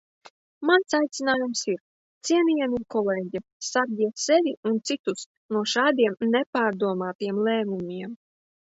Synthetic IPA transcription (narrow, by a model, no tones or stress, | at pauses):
mansajt̪sinaːjumsiɾ | t̪siɛnijamʲikɔlɛːɟʲisaɾɡʲiɛsɛvʲiunt̪sit̪us | nuɔʃaːd̪iɛmnɛpaːɾd̪uɔmaːt̪ijɛmlʲˠɛːmumʲiɛm